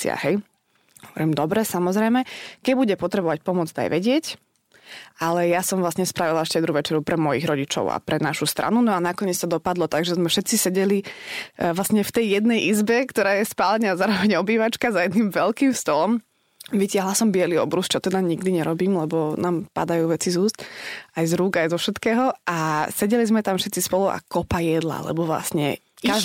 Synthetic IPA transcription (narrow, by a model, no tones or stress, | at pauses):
ɪ̰a̰ɦɛj | ɦhɔʋɔɾimd̪ɔbɾɛsamɔzɾɛjmɛkɛbuɟɛpɔt̪ɾɛbɔʋac̚pɔmʊɔd͡zd̪a̰jʋɛɟɪɛc | ʔalɛjasɔmvlasɲɛspɾaʋilaɛʃcɛd̪ɾuʋɛt͡ʃɛɾupɾɛmɔjiɣɾɔɟit͡ʃɔ̰ʊa̰pɾɛnaʃust̪ɾa̰nunɔanakɔɲɪɛt͡st̪ɔd̪ɔpad̪lɔt̪aɡʒɛzmɛfʃɛt̪t͡sisɛɟɛli | ʋlasɲɛft̪ɛjjɛd̪̚nɛjʔizbɛkt̪ɔɾaːjɛspalɛɲazaːɾɔʋɛɲɔbiːʋat͡ʃkazajɛd̪nimʋɛlkiːmst̪ɔlɔm | ʋicɪaɦlasɔmbɪɛliɔ̰bɾust͡ʃɔt̪ɛd̪aɲiɡd̪iɲɛɾɔbiːmlɛbɔnaːmpa̰d̪ajuːʋɛt͡sizuːst̪ajzɾuːɡajzɔfʃɛt̪kɛːɦɔasɛɟɛlizmɛt̪amfʃɛt̪t͡sispɔluʔa̰kɔpajɛd̪la̰lɛ̰bɔʋla̰sɲɛ̰ | a